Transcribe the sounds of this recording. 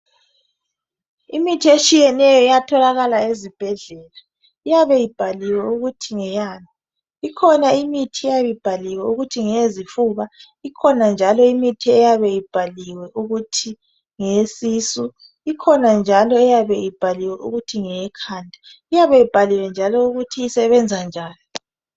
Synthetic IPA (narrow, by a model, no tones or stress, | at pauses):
imitʰiet͡ʃʼijɛnɛjɔijatʰɔlaɣalaezib̥ʱɛɮɛla | ijaβɛjib̥ʱaliwɛuɣutʰiŋɛjanɔ | ikʰɔnaimitʰiɛjajib̥ʱaliwɛuɣutʰiŋezifuːβa | ikʰɔnand͡ʒʱalɔimitʰiɛjaβɛjib̥ʱaliwɛʔuɣutʰi | ŋesisu | ikʰɔnand͡ʒʱalɔɛjaβɛjib̥ʱaliwɛʔṵɣutʰiŋɛkʰaːndʱa | ijaβɛjib̥ʱaliwɛnd͡ʒʱalɔuɣutʰiːsɛβɛnd͡zʱand͡ʒʱaːjɔ